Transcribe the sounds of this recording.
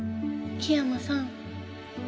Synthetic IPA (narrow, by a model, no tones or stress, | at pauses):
kʰeamasaŋ